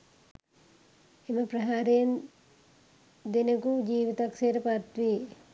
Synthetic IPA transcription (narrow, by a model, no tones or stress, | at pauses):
emɐpɾɐɦaːɾeːn | d̪inɐkud͡ʒiːʋit̪ɐkseɾɐpaɾt̪ʋi